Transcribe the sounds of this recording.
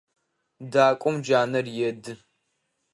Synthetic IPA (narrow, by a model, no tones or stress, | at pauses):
daːkʷʼɔmd͡ʒaːnɐrjɛdɨ